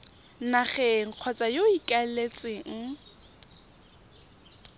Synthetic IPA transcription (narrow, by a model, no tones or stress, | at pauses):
naχɛŋ̩q͡χʰwɔt͡sʼajoikʼalet͡sʼɪŋ̩